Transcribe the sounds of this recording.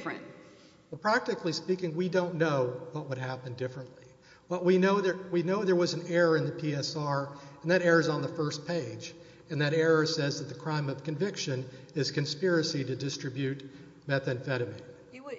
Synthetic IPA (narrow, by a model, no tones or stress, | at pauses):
fɹɨ̰̃n | wɛlˠpʰɹ̥æk̚tɨklispikɪ̃ŋwidõʊ̃nːoʊwʌʔ̚wəd̚ɦæpɨ̃ndɪfɹɨ̃nʔli | wʌwinoʊðə˞winoʊðə˞wʌz̃n̩ɛɹə˞ɨ̃nðɨpʰiɛsɑɹɨ̃nðɨɾɛɹə˞zn̩ðəfɜ˞spʰeɪd͡ʒ | ɨ̃nðɨɾɛɹɨsɛzðɨt̪̚ðɨkʰɹ̥ãɪ̃mʌv̥kɨ̃ɱvɪkʃɨ̃n | ɪz̥kɨ̃nspɪɹɨsiɾɨdɨstɹ̥ɨbjʉt̚ | mɛθɨ̃nfɛɾɨmḭ̃n